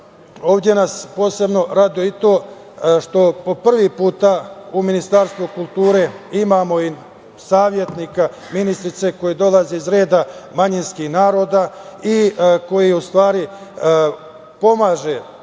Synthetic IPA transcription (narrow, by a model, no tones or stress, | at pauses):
o̞ːʋvd̪je̞naspo̞ːse̞bno̞ɾad̪oit̪o̞ː | ʃt̪o̞po̞pr̩ʋipuːt̪auminist̪aːɾst̪ʋukulˠt̪uːɾe̞imaːmo̞i | saːʋje̞t̪nika | minist̪ɾit̪se̞kojid̪o̞lazeizɾe̞ːd̪amaɲinskihnaːɾo̞ːd̪aiko̞jiust̪ʋaːɾi | po̞maːʒe̞